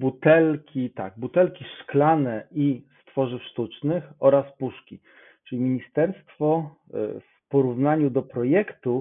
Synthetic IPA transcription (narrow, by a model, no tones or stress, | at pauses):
but̪ɛlkʲit̪a̰ɡ̚but̪ɛlkʲiʂklanɛʔist̪fɔʐɘfʂt̪ut͡ʂnɘxɔɾaspuʂkʲi | t͡ʂɘlʲimʲiɲist̪ɛɾst̪fɔf | pɔɾuvnaɲud̪ɔpɾɔjɛkt̪u